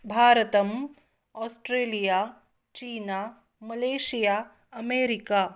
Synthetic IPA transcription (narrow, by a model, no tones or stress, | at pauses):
bʱaːɾət̪ɐm | ɔːsʈɾeːlijaː | t͡ʃiːnaː | mɐleːʃijaː | ɐmeːɾɪkaː